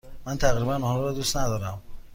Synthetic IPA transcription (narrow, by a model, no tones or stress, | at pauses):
mænt̪ʰæɣɾibænɔːlɔɾɔd̪ust̪næd̪ɒːɾæm